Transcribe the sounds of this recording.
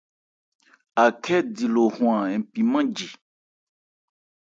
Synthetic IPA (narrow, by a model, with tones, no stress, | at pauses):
a˨kʰɛ˦di˨lo˨hw̃a˨ɛ˨pi˨mã˦d͡ʒi˨